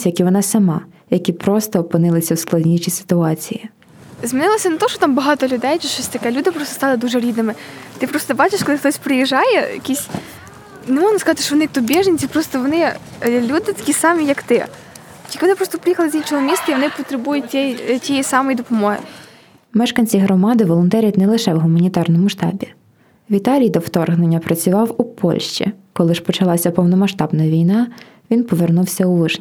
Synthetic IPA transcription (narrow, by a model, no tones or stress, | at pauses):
jɐkiʋɔnɑsɐmɑ | jɐkʲipɾɔst̪ɔːpɪnɪlˠɪsʲɐwsklˠɐdʲnʲiʃisɪ̥t̪ʊɑt͡sʲiji | zmiɪnɪlˠɔsʲɐnet̪ɔʃɔt̪ɑmbɐɦɑt̪ɔlʲʊd̪ɛjt͡ʃɛt͡ʃɔsʲt̪ɐkɛlʲud̪ɪpɾɔst̪ɔ̥st̪ɑlˠɪd̪uʒɛɾʲid̪nɪmɪt̪ɪpɾɔst̪ɔbɑt͡ʃɪʃkɔlˠɪxt̪ɔsʲpɾɪjiʒɑjɛ̰jɐ̰kʲisʲ | nemɔʒnɐskɐzɑt̪ɪ̥ʃt͡ʃɔʋɔnɪkt̪ubʲiʒenʲt͡sʲipɾɔst̪ɔʋɔnɪ | lʲud̪ɪt̪ɐ̥kʲisɑmʲijɐkt̪ɪ | k̪ʲikɪʋɔnɪpɾɔst̪ɔpɾɪjixɐlˠɪzʲit͡ʃɔɦɔmʲist̪ɐiʋɔnɪpɔt̪ɾebujʊɛjtʲijɛsɑmɔjd̪ɔpɔmɔɦɪ̰ | mɛʃkɐnʲt͡sʲiɦɾɔmɑd̪ɪʋɔlˠɔnt̪ɛɾʲit̪nɛlˠɪʃɛwɦʊmɐnʲit̪ɑrnɔmʊʃt̪ɑ̰bʲi | ʋʲit̪ɑlʲijd̪ɔwt̪ɔrɦnenʲːɐpɾɐt͡sʲʊʋɑwupɔ̰lʲʃt͡ʃḭkɔlˠɪʃpɔt͡ʃɐlˠɑsʲɐpɔwnɔmɐʃt̪ɑbnɐʋʲijnɑ | ʋʲinpɔʋernuwsʲɐʊʋɪʃʲ